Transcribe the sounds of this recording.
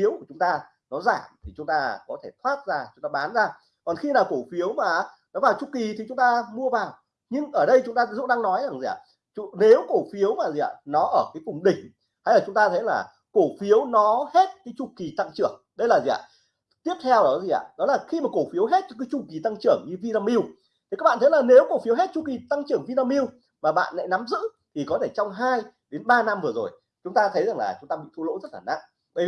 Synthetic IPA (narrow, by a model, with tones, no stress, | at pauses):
fi˨˦wku˧˩t͡ɕʊ˨˦ŋ͡mt̪aː˧ | nɔ˨˦zaː˧˩mt̪ʰi˨˩t͡ɕʊ˨˦ŋ͡mt̪aː˧kɔ˨˦t̪ʰe˧˩t̪ʰwaː˦˥t̚zaː˧t͡ɕʊ˨˦ŋ͡mt̪aː˧ɓaː˨˦nzaː˧˩ | kɔ˨˩nxi˧naː˨˩wko˧˩fi˨˦əwmaː˨˩ʔnɔ˨˦vaː˨˩wt͡ɕu˧˩ki˨˩t̪ʰi˨˩t͡ɕʊ˨˦ŋ͡mt̪aː˧mu˧əvaː˨˩w | ɲɨ˧ŋʔəː˧˩ɗə˧jt͡ɕʊ˨˦ŋ͡mt̪aː˧˦zṵ˦˧˥ɗaː˧ŋnɔ˨˦jza˨˩ŋzi˨˩ʔa̰ː˧˨ | t͡ɕne˨˦wko˧˩fi˨˦əwmaː˨˩zi˨˩ʔa̰ː˧˩nɔ˨˦ʔəː˧˩kaː˨˦jkʊ˨˩ŋ͡mɗï˨˩ŋ̟ | haː˧jlaː˨˩t͡ɕʊ˨˦ŋ͡mt̪aː˧t̪ʰə˨˦jlaː˨˩ | ko˧˩fi˨˦əwnɔ˨˦he˦˥t̚kaː˨˦jt͡ɕʊ˨˧˩ki˨˩t̪a˧ŋt͡ɕɨ˧˩əŋɗə˧jlaː˨˩zḭ˨a̰ː˧˨ | t̪i˦˥əp̚t̪ʰɛ˧wɗɔ˨˦zi˨˩ʔa̰ː˧˨ɗɔ˨˦laː˨˩xi˧maː˨˩ko˧˩fi˨˦əwɦe˦˥t̚kɔ˧˦kaː˨˦jt͡ɕu˧˩ki˨˩t̪a˧ŋt͡ɕɨ˧˩əŋɲɨ˧vi˧naː˧mi˧w | t̪ʰi˨˩aː˦˥ɓaː˧˨t̪ʰjlaː˨˩ne˨˦wko˧˩fi˨˦əwɦe˦˥t̚t͡ɕu˧˩ki˨˩t̪a˧ŋt͡ɕɨ˧˩əŋvi˧t̪aː˧mi˧w | maː˨˩ɓa̰ː˧˨nla̰ː˧˥jna˨˦mzɨ̰˧˥t̪ʰi˨˩kɔ˨˦t̪ʰe˧˩t͡ɕɔ˧wŋ͡mɦaː˧jɗe˨˦nɓaː˧na˧mvɨ˨˩əzo̰˨˩j | t͡ɕʊ˨˦ŋ͡mt̪aː˧t̪ʰə˨˦jza˨˩ŋlaː˨˩t͡ɕʊ˨˦ŋ͡mt̪aː˧ɓḭ˧˨t̪ʰu˧lo̰˧˥zə˦˥t̚laː˨˩na̰˧˥ʔ | ɓa˧˩jvi˨˩